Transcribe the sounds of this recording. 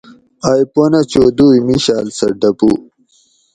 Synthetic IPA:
ajponɐt͡ɕoːd̪uːjmiɕaːlsɐɖɐpu

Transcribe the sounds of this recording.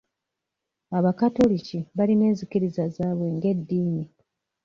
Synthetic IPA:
aβakato̞liciβaline̞ːnzikiɾizazaːβwe̞ŋɡe̞dːiːni

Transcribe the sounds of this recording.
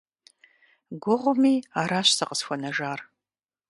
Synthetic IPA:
ɡʷʊʁʷʊmiːaːɾaːɕsɐqəsxʷɔnɐʒaːr

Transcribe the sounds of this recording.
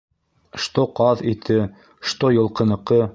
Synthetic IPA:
ʃt̪oqɑðit̪ʰɘ | ʃt̪ojɤ̆lˠqɤ̆nɤ̆qɤ

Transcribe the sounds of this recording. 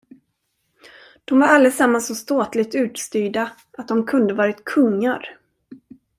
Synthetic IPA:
d̪̥ɔmvaɾald̪əsamːansɔst̪oːt̪lɪɡ̚t̪ʉ̟ːt̪st̪yːɖa | ʔat̪̚d̪ɔmkʰɵnd̪əvɑːɾɪt̪kʰɵŋːaɾ

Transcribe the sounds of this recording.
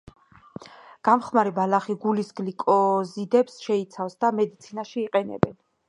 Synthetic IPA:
ɡ̥amχmaɾibalaχiɡulisɡlikʼɔzid̪ɛpsʃɛit̪sʰafsd̪amɛd̪it̪sʰinaʃiːqʼɛnɛ̰bɛn

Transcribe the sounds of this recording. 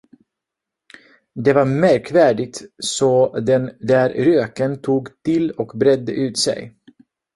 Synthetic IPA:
d̪ɛvaɾmæɾkvæːɖɪt̪sɔd̪ɛnd̪æɾɾøːkənt̪ʰuːɡt̪ʰɪlɔkbɾɛd̪ːə̰ʔʉ̟ːt̪sɛ̰j

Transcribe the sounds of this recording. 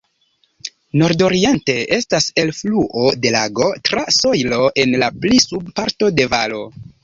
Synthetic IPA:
no̞ɾdo̞ɾie̞nte̞ʔe̞stase̞lfluʔo̞de̞laɡo̞tɾaso̞jlo̞ʔe̞nlaplisub̚paɾto̞de̞valo̞

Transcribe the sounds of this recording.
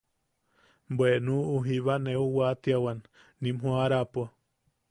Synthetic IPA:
mbwenũuɦiβaneuwat̪jawanː | ĩmhũaɾapa

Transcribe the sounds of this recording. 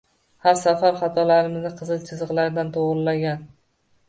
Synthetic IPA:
haɾsafaɾχat̪ʰɒlaɾɪmɪznɪqʰɨzɨlˠt͡ʃʰɪzɨqlaɾɪd̪ant̪ʰoʁllːaɡʲan

